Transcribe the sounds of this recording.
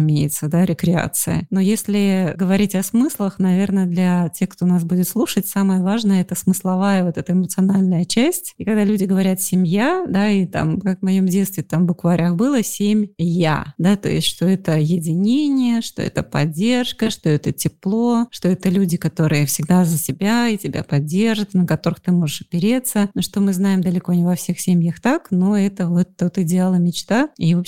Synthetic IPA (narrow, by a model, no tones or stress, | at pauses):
mʲejɪt̪səd̪aɾʲɪkɾʲɪa̰t̪sɨ̰jə̰no̞jesʲlʲɪɡəvɐɾʲitʲɐsmɨslˠəxnɐvʲe̞rnəd̪lʲɐtʲe̞xkt̪o̞nasbudʲɪt̪slˠuʂətʲsaməjəvaʐnəjəɛt̪əsmɨslˠɐvajəvo̞t̪ɛt̪əɪmət̪sɨɐnalʲnəjət͡ɕæsʲtʲikɐɡd̪alʲʉdʲɪɡəvɐɾʲat̪sʲɪmʲjad̪ait̪a̰mkakvmɐjo̞mdʲet̪st̪vʲɪt̪amvbʊkvaɾʲaxbɨlˠəsʲemʲja̰d̪at̪o̞̰jɪstʲʂt̪o̞ɛt̪əɐjɪdʲɪnʲenʲɪjəʂt̪o̰ɛ̰t̪əpɐ̰dʲːe̞rʂkəʂt̪o̞ɛt̪ətʲɪplˠo̞ʂt̪o̞ɛt̪əlʲudʲɪkɐt̪o̞ɾɨjəfsʲɪɡd̪azəsʲɪbʲaitʲɪbʲa̰pɐdʲːe̞rʐɨt̪nəkɐt̪o̞ɾɨxt̪ɨmo̞ʐɨʂɐpʲɪɾʲet̪səʂt̪o̞mɨznajɪmd̪əlʲɪko̞nʲɪvɐfsʲe̞xsʲemʲjəxt̪akno̞ɛt̪əvo̞t̪ːot̪ɪdʲɪalˠəmʲɪt͡ɕt̪aivop